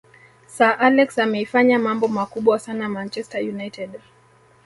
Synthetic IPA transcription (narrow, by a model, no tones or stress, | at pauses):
saʔalɛksamɛifaɲamambɔmakuɓwasanamant͡ʃɛstajunajtɛd